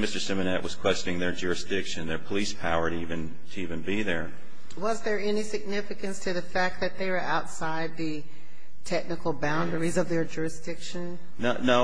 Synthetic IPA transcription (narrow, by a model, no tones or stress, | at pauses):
mɪstə˞sɪ̃mɨnɛʔwʔʌz̥kʰw̥ɛst͡ʃnɪ̃ŋðə˞d͡ʒʊɹɨsd̥ɪkʃɨ̃nðə˞pʰəlispʰaʊə˞ɾɨivɨ̃n | tʰɨivɨ̃nbiðə˞ | wʌzðə˞ɛnisɨɡ̚nɪfɨkɨ̃nstʰɨðɨfæk̪̚ðɨt̪̚ðeɪwə˞ʔaʊtsaɪd̪̚ðɨ | tʰɛk̚nɨkl̩ˠbãʊ̃ndə˞izʌvðə˞d͡ʒʊɹɨsd̥ɪkʃɨ̃n | nonoʊ